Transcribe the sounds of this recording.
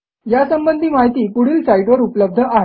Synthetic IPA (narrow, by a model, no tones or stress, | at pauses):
jasəmbənd̪ʱiːmaɦit̪iːkuɽ̤iːlsaiʈʋəɾupləb̚d̪ʱəʔaɦ